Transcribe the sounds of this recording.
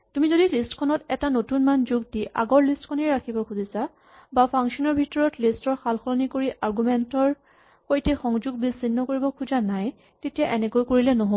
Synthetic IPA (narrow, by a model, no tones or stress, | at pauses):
tumizodilistkʰɔnɔtɛtanotunmanzuɡ̚diʔa̰ɡɔɹlistkʰɔnɛɹakʰibɔkʰuzisa | bapʰaŋsɔnɔɹbʱitɔɹɔtlistɔɹxalxʰɔlɔnikoɹiʔaɹɡumɛntɔɹ | xojtɛxɔŋzuɡ̚bisinːɔkoɹibɔkʰuzanaj | tetijaʔɛnɛkojkoɹilɛnɔɦo